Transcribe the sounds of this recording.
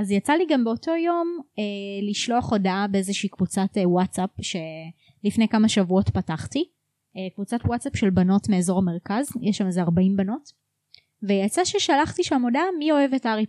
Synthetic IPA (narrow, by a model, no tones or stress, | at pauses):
azjat͡saliɡambeo̞to̞jo̞meliʃlo̞aχo̞daabeezeʃiːkvut͡satewatt͡sapʃe̞ | lifne̞jkamaʃavuo̞tpataχti | ekvut͡satwat͡sapʃe̞lbano̞tmeːzo̞ʁame̞ʁkazjɛʃamezeaʁbaimbano̞t | vejat͡saʃeʃalaχtiʃamo̞damio̞evetaʁi